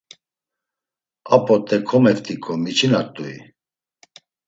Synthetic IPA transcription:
apʼɔt̪ʼɛkʰɔmɛvt̪ʼikʰʼɔmit͡ʃʰinaɾt̪ʼuḭ

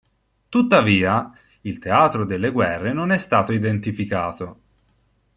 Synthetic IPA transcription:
t̪ut̪ːaviːa | ilt̪eaːt̪ɾod̪elːeɡwɛrːenonɛst̪aːt̪oid̪ent̪ifikaːt̪o

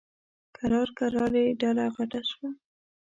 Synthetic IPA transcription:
kaɾɑɾkaɾɑleɖalaɣaʈaʃwa

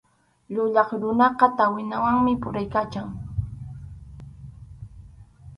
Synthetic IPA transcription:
ʎʊʎɑχɾʊnɑqɑt̪awɪnawaŋmɪpʊɾajkat͡ʃaŋ

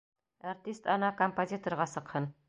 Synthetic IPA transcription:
art̪ʲist̪ɑnɑkompozʲit̪orʁɑsɤ̆qhɤn

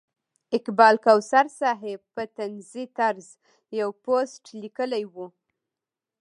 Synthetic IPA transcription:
ɪkbɑlkawsaɾsɑɦepət̪anzit̪aɾz | jawposʈlikəlajwu

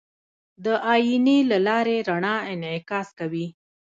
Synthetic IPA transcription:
d̪əʔɑjinilalɑɾeɾaɳɑɪnʕɪkɑskawi

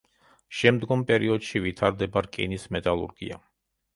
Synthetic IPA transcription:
ʃɛmd̪ɡɔmpʼɛɾiɔd̪̥ʃivit̪ʰaɾd̪ɛbaɾkʼḭnismɛt̪ʼalˠṵɾɡḭa̰

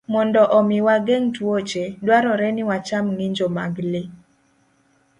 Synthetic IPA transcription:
mɔndɔʔɔmɪwaɡɛŋtwot͡ʃedwaɾɔɾɛnɪwat͡ʃamŋiɲd͡ʒomaɡlɪ

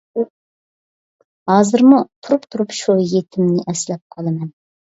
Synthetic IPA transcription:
hɑːzɨɾmut̪ʰuɾupt̪ʰuɾupʃujet̪ʰɪmnɪʔɛslɛp̚qʰɑlˠɨmɛn

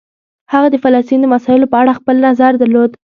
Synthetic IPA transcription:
haɣad̪əfalɑst̪ind̪əmasɑɪlopəaɽaxpəlnazaɾd̪əɾlod̪

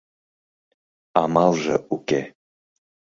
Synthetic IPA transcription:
ɑmɑlˠʒə̰ʔuke

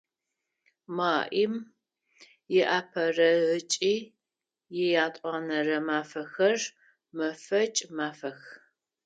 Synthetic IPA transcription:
maːʔim | jɛʔaːpʰɐrɐʁɨt͡ʃʼiː | jɪjaːtʼɑːnɐrɐmaːfɐxɐr | mɐfɐt͡ʃʼmaːfɐx

